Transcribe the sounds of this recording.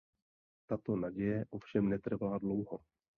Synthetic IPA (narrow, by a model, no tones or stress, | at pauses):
t̪at̪o̞naɟɛjɛʔo̞fʃɛmnɛt̪r̩valadlo̞wɦo